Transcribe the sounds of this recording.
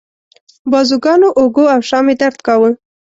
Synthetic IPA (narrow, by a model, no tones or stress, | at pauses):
bɑzuɡɑnoʔoɡoawʃɑmed̪aɾt̪kawə